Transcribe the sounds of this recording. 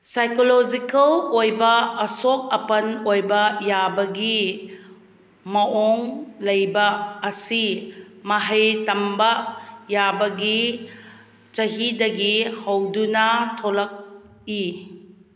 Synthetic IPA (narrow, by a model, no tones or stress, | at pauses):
sajkolod͡ʒikɐlojbɐːsok̚ɐpɐnojbɐjabɐɡi | mɐʔoŋlɐjbɐːsimaɦɐjtɐmbɐjabɐɡi | t͡ʃɐɦidɐɡihɐwdunɐtʰolɐk̚ | i